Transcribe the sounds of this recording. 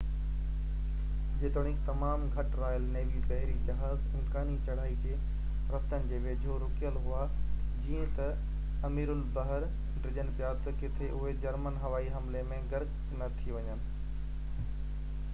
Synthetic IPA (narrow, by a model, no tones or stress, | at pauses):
d͡ʑeːt̪oɽ̃ɪ̃kt̪ɐmaːmɡʱɐʈɾaːjəlneːʋibɐɦɪɾid͡ʑɐɦaːzɪ̃mkaːnit͡ɕɐɽ̤aːid͡ʑeː | ɾɐft̪ənɪ̆d͡ʑeːʋeːd͡ʑʱoɾʊkijəlɦʊa | d͡ʑiːə̃t̪ɐ | ɐmiːɾʊlbɐɦəɾ | ɖɾɪʄənɪ̆pijat̪ɐkɪt̪ʰeʔʊɦed͡ʑɐɾmənɦɐʋaːiɦɐmlemẽɡɐɾk | nɐt̪ʰiʋɐɲənɪ̆